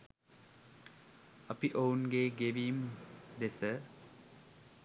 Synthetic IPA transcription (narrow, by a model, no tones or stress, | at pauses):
ɐpiʔounɡeɡeʋiːmd̪esə